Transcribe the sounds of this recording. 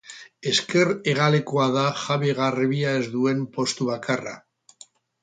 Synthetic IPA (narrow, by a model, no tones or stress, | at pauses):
e̞ske̞re̞ɣale̞koaðaxaβeɣarβiae̞zd̪ue̞mpo̞st̪uβakʰara̰